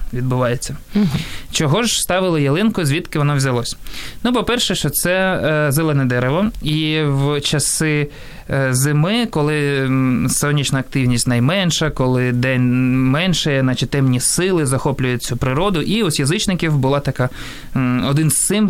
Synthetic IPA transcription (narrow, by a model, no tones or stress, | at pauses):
ʋʲid̪̚bʊʋɑjet͡sʲːɐ | t͡ʃɔɦɔʒst̪ɑʋɪlˠɪjɐlˠɪnkʊzʲʋʲit̪kɪʋɔnɔʋzʲɐlˠɔsʲnupɔpɛrʃɛʃt͡ʃɔt̪sɛzelˠɛnɛd̪ɛɾeʋɐiwt͡ʃɐsɪ | zɪmɪkɔlˠɪ | sɔnʲːit͡ʃnɐːk̚t̪ɪwnʲisʲtʲnɐjmɛnʃɐkɔlˠɪd̪ɛnʲmɛnʃɛjnɑt͡ʃɪt̪ːɛmnʲisɪlˠɪzɐxɔplʲʊjʊt͡sʲupɾɪɾɔd̪ʊʔiɔsʲjɐzɪt͡ʃnɪkʲiwbʊlˠɑt̪ɐkɑ | ɔd̪ɪnssɪm